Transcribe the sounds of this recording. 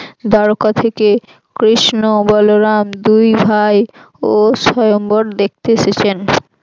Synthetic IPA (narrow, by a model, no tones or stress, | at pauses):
d̪ʱɔɾokat̪ʰeke | kɾiʃnobɔloɾamd̪ujbʱaj | oʃɔjomboɾd̪ek̚ʰt̪eeʃet͡ɕʰen